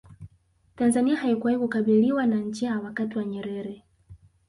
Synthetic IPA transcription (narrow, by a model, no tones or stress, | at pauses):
tanzaniahaikuwahikukaɓiliwanaɲd͡ʒawakatiwaɲɛɾɛɾɛ